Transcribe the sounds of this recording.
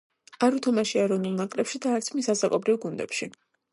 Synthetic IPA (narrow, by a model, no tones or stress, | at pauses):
aɾut̪ʰɔmaʃiaɛɾɔnulˠnakʼlɛpʃid̪aːɾt̪sʰmisazakʼɔbɾivɡund̪ɛ̰pʃi